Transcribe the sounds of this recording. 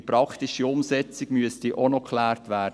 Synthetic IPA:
pɾɑktɪʃiʊmsɛt͡sɪɡ̥myəstiʔonokʰlæːɾtʋæːd

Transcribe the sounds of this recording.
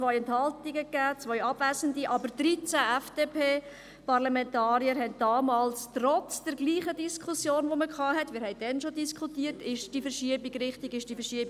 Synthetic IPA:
t͡sʋœʏɛnthɑltiɡəkːæːt͡sʋœʏɑb̥væːzəndiʔɑbəɾdɾit͡sæɛfd̥epʰeː | pɑɾlɑmɛntɑːɾiəɾɦɛnt̚d̥ɑːmɑːlstrɔt͡sd̥ɛɾɡliːχədiskʰusjoːnʋoməkʰχɑːɦɛtmɪːɾhɛɪd̥ɛnʃodiskʰχutiːərtɪʃd̥ifəɾʃiəbiɡɾɪχtɪɡɪʃd̥ifəʃiəbi

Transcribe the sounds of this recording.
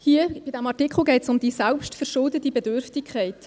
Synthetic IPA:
hiəb̥ɪd̥æmɑʁtɪkχl̩ˠɡɛɪtsʊmd̪iːsɛlpʃtfəɾʃʊldətibɛdøɾftɪkʰχɛɪt

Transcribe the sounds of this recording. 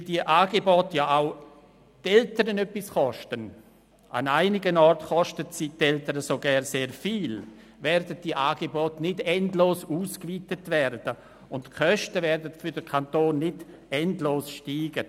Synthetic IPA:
ɪldiəʔaːɡebɔːtjaaʊ | tɛltəɾənœpːɪsχɔʃtən | ʔa̰naɪnɪɡənɔrtχɔʃtətsitɛltəɾəsoɡɛɾseːɾfiːl | vɛɾdət̚d̥iəʔaːɡ̥ebɔːtnɪdɛndloːsuːskviːtətvɛɾd̥ə | ʊntkʰœʃtəvɛɾdətfʏɾdəkʰantoːnːɪd | ɛndloːsʃtiːɡ̥ə

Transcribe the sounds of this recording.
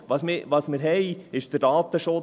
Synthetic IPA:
ʋɑsmɪʋɑsmɪɾɦɛɪɪʃd̥ədɑːt̪əʃʊ

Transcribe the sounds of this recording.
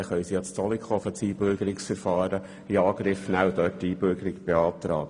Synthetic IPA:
χœʏsiɑt͡st͡sʰɔlikʰɔfət͡siːbøɾɡ̥əɾɪksfɛɾfɑːɾə | iɑːɡ̥ɾɪfnæwdœːtːiːbʏɾɡ̥əɾɪɡb̥eɑːt̪ɾɑ̰ːɡə

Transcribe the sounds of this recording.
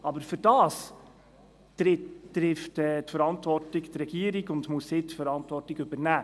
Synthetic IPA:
ɑbəɾfʏɾd̥ɑːs | ɪtːɾɪftɛːtfəɾɑntvɔrtɪkt̪ɾɛɡ̥iəɾiɡʊndmusɪtfəɾɑntvɔrtɪɡɵbəɾnæː

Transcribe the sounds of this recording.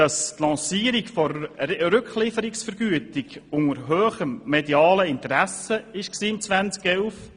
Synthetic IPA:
ɑst̪lɑ̃ːsiːəɾikfɔɾɾʏkχlɪfəɾɪksfəɾɡ̥yətɪɡʊŋəɾɦøːχəmːediɑːləɪnt̪əɾæsəɪʃksiːmt͡sʋænt͡skɛwf

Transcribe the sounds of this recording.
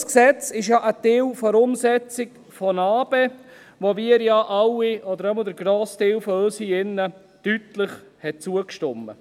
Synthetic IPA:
sksɛt͡sɪʃjɑʔət̪ɪːwfɔɾʊmsɛt͡sɪk | fɔnɑːbe | ʋoviːəɾjɑːʔɑwiɔdəɾɛməld̪əɾɡɾoːstɪːwfɔøsiɪnːə | tytləχhɛt̚t͡suːəkʃtʊmːə̰

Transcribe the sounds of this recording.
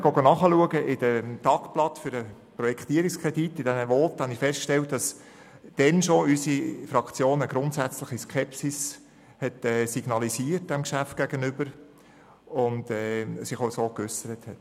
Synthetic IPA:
ɡ̥oɡonɑχəluəɡəʔɪd̥ətɑkplɑt̪fʏɾəprɔjɛkʰt̪iːəɾikskʰʁɛditːɪd̥ænəʋoːt̪hɑnifɛstkʃtɛltd̥ɑs | d̥ɛnʃoysifɾɑkt͡sjoːnəɡɾʊntsæt͡slɪχiskʰɛpsis | hɛtɛːsiɡ̥nɑlisiːərt̚d̥ɛmkʃæft̚ɡ̥æɡ̥ənʏb̥əɾ | ʊndɛːsɪχoʊsoːkʏsəɾəthɛt

